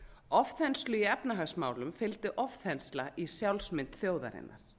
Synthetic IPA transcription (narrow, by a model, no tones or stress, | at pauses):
ɔfθɛnslʏiɛpnaɦaɣsmaːwlʏmfɪlt̪ʏʔɔfθɛnslaʔisjawlsmɪnt̪θjoːwða̰ɾɪ̰nːa̰ɾ̥